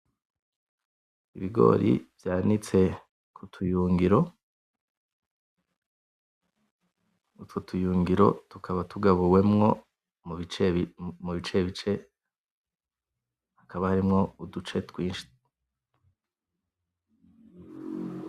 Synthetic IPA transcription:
ḭβiɡo̞̰ːɾḭvjaːnit͡se̞ | kʰutʰujuːŋɡiɾo̞ | ututʰujuːŋɡiɾo̞̰tukaβatuɡaβuwe̞mŋo̞ | mit͡ʃmuβit͡ʃe̞βit͡ʃe̞ | hakaβahaɾimŋo̞udut͡ʃe̞twiːnʃi̥

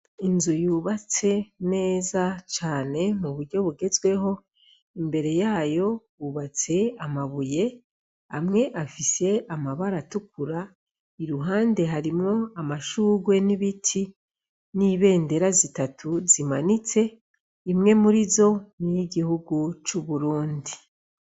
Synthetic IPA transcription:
inzujuːβat͡se̞ne̞ːzat͡ʃaːne̞muβuɾɟo̞βuɡe̞zwe̞ho̞ | imbe̞ɾe̞jaːjo̞ | uːβat͡se̞amaβuje̞ | amŋe̞ʔafise̞amaβaɾatukuɾa | iɾuɦaːnde̞ɦaɾimŋo̞amaʃuːɡwe̞niβitʰi | niːβe̞ːnde̞ɾazitatʰuzimanit͡se̞ | imŋe̞muɾizo̞nijiɡihuɡut͡ʃuβuɾuːndi

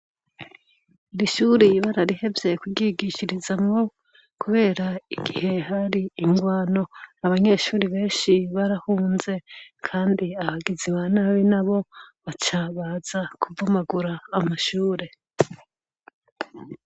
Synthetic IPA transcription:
iɾiʃuɾiβaɾaɾihe̞vje̞kuɟiɡiʃiɾizamŋo̞ | kʰuβe̞ːɾaiɡihe̞haɾiːŋɡwaːno̞aβaɲe̞ʃuːɾiβe̞ːnʃiβaɾahuːnze̞kʰaːndiahaɡiziβanaβinaβo̞βat͡ʃaβaːz̥akuvumaɡuɾaːmaʃuːɾe̞

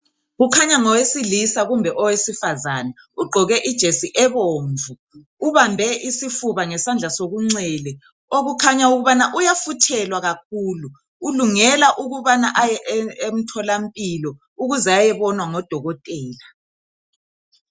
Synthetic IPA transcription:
ɣukʰaɲaŋɔwesilisaɣumbʱɛʔɔwesifazanɛ | uɡ͡ǃʱɔɣɛʔid̥ʒ̥ʱesiʔɛβoːɱvʱuː | βambʱɛʔisifuβaŋɛsand͡ɮʱasoɣuŋ͡ǀɛlɛ | oɣukʰaɲauɣuβanaʔujafutʰɛlwaɣak̚ʰuːluː | luŋɛlaʔuɣuβanaʔajɛʔem̩tʰɔlam̩pʼilɔ | uɣuzɛajɛβɔnwaŋɔd̥ʱɔɣɔtʼɛːla

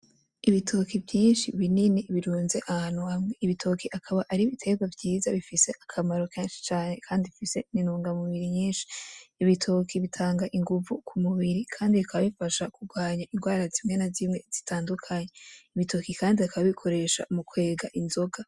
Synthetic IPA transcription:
iβitʰo̞kʰivjiːnʃiβininiβiɾuːnze̞ʔahanwamŋeiβitʰo̞kʰiʔakʰaβaʔaɾiβitʰe̞ɡwavɟiːzaβifise̞ʔakʰamaɾo̞kʰeːnʃi̥t͡ʃaːne̞kʰaːndiβifise̞ninuːŋɡamuβiɾiɲiːnʃi̥ːβitʰoːkʰiβitʰaːŋɡaʔiŋɡuvukʰumuβiɾikʰaːndiβikʰaβaβifaʃakuɡwaːɲaʔinɡwaːɾazimŋeːnazimŋe̞z̥itʰaːndukʰaɲeiβitʰo̞kikʰaːndiakaβaβikʰo̞ɾe̞ːʃa̰mukwe̞ːɡaʔinzo̞ɡa

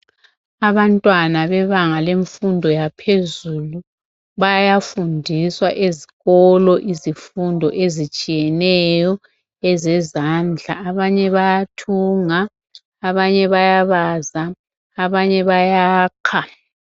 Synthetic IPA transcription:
aβantʼwanaβɛβaŋaleɱfundʱɔjapʰezulu | βajajafundʱiswaʔeziɣɔlɔʔizifundʱɔ̰ʔezit͡ʃʼijɛnɛjɔ | ɛzɛzand͡ɮʱaːβaɲɛβajatʰuːŋaː | βaɲɛβajaβazaː | βaɲɛβajaːkʰa

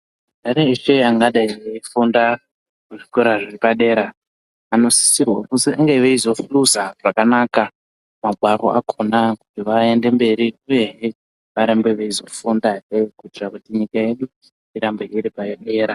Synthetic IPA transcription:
ɗaɾeiʃe̞aŋɡaɗaiefunda | kuʐikoɾaʐiripaɗe̞ːɾaː | no̞si̥sirwakusiaŋɡeʋeizo̞fluzaʐ̥akanaka | maɡʱwaɾo̞̰ʔakʰonakutiʋaende̞mbe̞ɾiuje̞ɦe | ʋaɾembe̞ʋeizo̞fundaeikuitirakutiɲikae̞ɗu | iɾambeiɾipaeɗe̞ːɾa

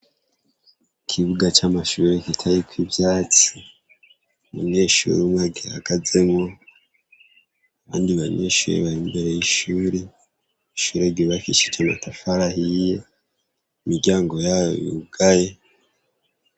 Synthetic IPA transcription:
kʰiβuɡat͡ʃamaʃuːɾekitʰajikʰwibjaːt͡si̥ | muɲe̞ːʃṵɾiumwaɡeha̰ɡ̥azemŋo̞ | aβa̰ːndiβaɲe̞̰ːʃuːɾḛβaɾimbe̞ɾe̞jiʃuːɾe | iʃuɾeɡiβakit͡ʃit͡ʃana̰tʰafaɾahije | imiɡɟaːŋɡo̞jajo̰jṵɡ̥aje

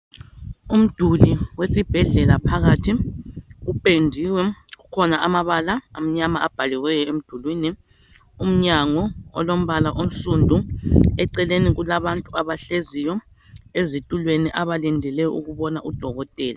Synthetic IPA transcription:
um̩d̥ʱuliwesib̥ʱɛɮɛlapʰaɣatʰiɣupʼendʱiwɛɣukʰɔnaʔamaβalaam̩ɲamaab̥ʱalɛwɛjɔem̩d̥ʱulwiːni | um̩ɲaŋɔɔ̰lom̩βalaʔom̩sundʱuɛǀɛleniɣulaβantʼuaβaɬezijɔ | ezitʼulweniʔaβalindʱɛlɛjɔuɣuβɔnaʔud̥ʱɔɣɔtʼɛːla

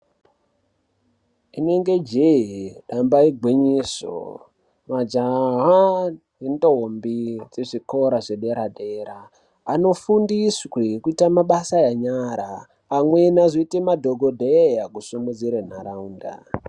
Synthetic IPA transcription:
ine̞ŋɡe̞d͡ʒeiɗambaiɡʱwiɲiso̰ | mad͡ʒaɦa | ɦindombid͡zeʐiko̞ɾaʐeɗe̞ɾadʱeɾaː | no̞fundisekuitamaɓasajaɲaɾaː | mwe̞nazoitemadʱo̞ɡʱodʱejakusumud͡ziɾen̤aɾauːnda̰

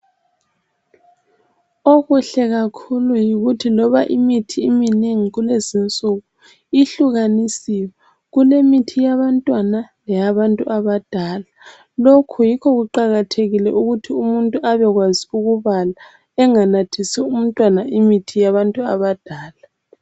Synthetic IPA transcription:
oɣuɬɛɣakʰulujiɣutʰilɔβaʔimitʰiːmineŋiɣulezint͡sʼuɣu | iɬuɣanisiwɛ | ɣulemitʰijaβantʼwanalɛjaβantʼṵʔaβad̥ʱaːla | lokʰujikʰɔɣuǃaɣatʰeɣilɛ̰ʔuɣutʰiumuntʼuʔaβɛɣwaziuɣuβala | ɛŋanatʰisɛum̩tʼwanaʔimitʰijaβantʼuaβad̥ʱaːla

